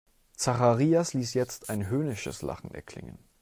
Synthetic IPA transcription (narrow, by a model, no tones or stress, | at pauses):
t͡saχaʁiːasliːsjɛt͡staɪnɦøːnɪʃə̰sla̰χn̩ɛ̰ɐkʰl̥ɪ̰ŋə̰n